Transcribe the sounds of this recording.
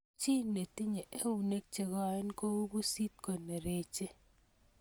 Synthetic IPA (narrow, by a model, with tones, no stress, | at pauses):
t͡ʃi˦ne˨ti˦ɲe˨ʔe˦wu˨ne˦k̚t͡ʃe˨kɔ˦e˦nko˦u˦bu˦si˦t̚kɔ˨ne˨ɾe˨t͡ʃe˦